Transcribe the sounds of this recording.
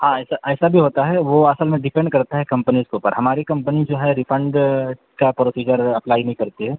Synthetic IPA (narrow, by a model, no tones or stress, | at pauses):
ɦãɛːsaʔɛːsabʱiɦoːt̪aɦɛʋoɐsəlmẽɖɪpɛ̃ɳɖkɐɾt̪aɦɛkɐ̃mpənizkeuːpəɾɦɐmaːɾikɐ̃mpənid͡ʒoːɦɛɾɪpʰə̃ɳɖ | kapɾoːsiːd͡ʒəɾɐplaːinɐɦĩkɐɾt̪iɦɛː